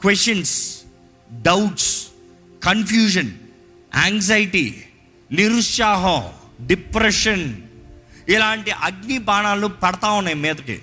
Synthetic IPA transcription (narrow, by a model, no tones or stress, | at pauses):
kʋesʈɐns | ɖɐwʈs | kɐnpʰjuːʃ̬ɐn | a̰ːŋɡzajiʈi | niɾuʂjaːɦɐ̃ɖipɾeʂɐn | ilaːɳʈiʔɐɡnibaːɳaːlupɛɽɐt̪aːwunːɐjmiːd̪ɐkḭ